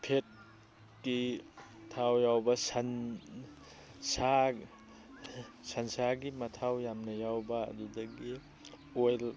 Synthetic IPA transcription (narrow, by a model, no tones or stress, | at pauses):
pʰet̚ | ɡitʰawjawbɐsɐn | sa | sansaɡimɐtʰawjamnɐjawbɐ̰ːdudɐɡi | ojl